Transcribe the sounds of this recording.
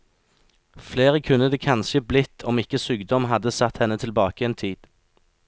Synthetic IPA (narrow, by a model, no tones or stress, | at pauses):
fleːʁəkʰʉnːəd̪eːkʰɑnʃəblɪt̪ʰɔmɪkəsyːɡd̪ɔmɦɑd̪əsɑt̪hɛnət̪ʰɪlbɑːkəeːnt̪ʰiːd̪̥